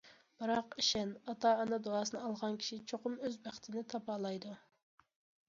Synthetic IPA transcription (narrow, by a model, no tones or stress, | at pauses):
b̥ɨɾɑqiʃɛnɑt̪ɑɑnɑd̪oɑːsɨnɨɑlˠʁɑnkʲʰi̥ʃit͡ʃʰoqʊmøzbæχt̪ʰɪnɪt̪ʰɑpɑːlˠɑjd̪u